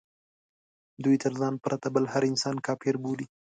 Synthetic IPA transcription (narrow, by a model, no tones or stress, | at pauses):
d̪ujt̪əɾzɑnpɾʔat̪abəlhaɾɪnsɑnkɑpeɾbuli